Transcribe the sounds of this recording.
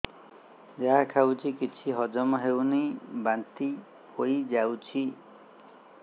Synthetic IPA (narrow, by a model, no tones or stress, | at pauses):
d͡ʒakʰawt͡ʃʰikit͡ʃʰiɦɔd͡ʒɔmɔɦewnejbant̪i | hoid͡ʒawt͡ʃʰi